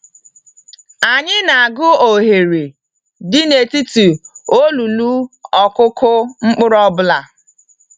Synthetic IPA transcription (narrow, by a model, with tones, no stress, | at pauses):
a˨ɲɪ˦na˨a˨ɡʊ˦o˨ɦe˨ɾe˨ | dɪ˦ne˨ti˦tu˨o˦lu˨lu˦ɔ˨kʊ˦kʊ˦ŋ͡m̩˦k͡pʊ˦ɾɔ˦bʊ˦la˨